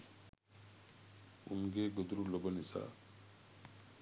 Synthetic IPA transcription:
ṵnɡeɡod̪ɾulobənisa̰

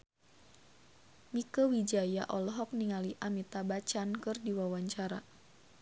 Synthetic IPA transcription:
mikəwid͡ʒajaʔɔlɔɦɔk̚niŋaliʔamit̪abat͡ʃankɨrdiwawaɲt͡ʃaɾa

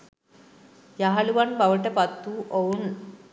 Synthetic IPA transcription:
jaɦaluʋanbaʋəʈapat̪ːuʔon

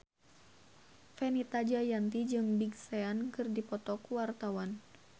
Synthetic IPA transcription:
fɛnit̪ad͡ʒajant̪id͡ʒɨŋbiɡsɛankɨrdipɔt̪ɔkuwart̪awan

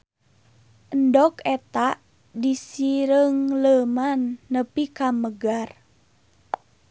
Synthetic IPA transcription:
ʔəndɔkɛt̪aʔ | disiɾəŋləmanːəpikaməɡar

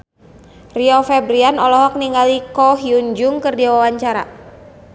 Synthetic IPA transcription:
riɔfɛbɾianɔlɔɦɔk̚niŋɡalikɔɦiuɲd͡ʒuŋkərdiawawaɲt͡ʃaɾa̰

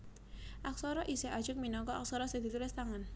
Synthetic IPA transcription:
ʔaksɔɾɔʔisɛʔḁʒ̥ʊk̚minɔkɔa̰k̚sɔɾɔseŋd̪̥i̤t̪ulɪst̪aŋan

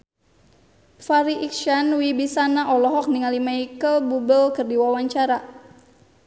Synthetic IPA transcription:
faɾiʔikʃanwibisanaʔɔlɔɦɔk̚niŋalimaikəlbubəlkərdiwawaɲt͡ʃaɾa

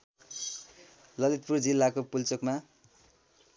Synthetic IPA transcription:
lʌlit̪̚purd͡zilːakopult͡sʌkma

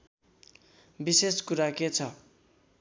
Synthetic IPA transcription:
biseskuɾaket͡sʰʌ

